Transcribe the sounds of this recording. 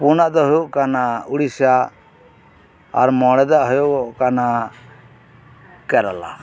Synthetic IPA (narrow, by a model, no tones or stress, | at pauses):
punaʔd̪ɔɦɔjɔʔkanauɽisa | a̰ɾmɔɽɛd̪aʔɦɔjɔʔɔʔkana | kɛɾala̰